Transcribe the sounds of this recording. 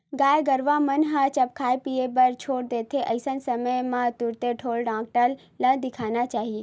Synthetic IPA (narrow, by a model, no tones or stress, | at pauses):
ɡaːjɡəɾʋamənɦat͡ʃɐpkʰaːepiebɐɾt͡ʃʰoːɽd̪eːt̪ʰeʔɐɪsənsɐməjmãt̪ʊɾt̪eʈʰoːlɖãːk̚ʈəlː | ə̃d̪ɪkʰaːnat͡ʃaːɦie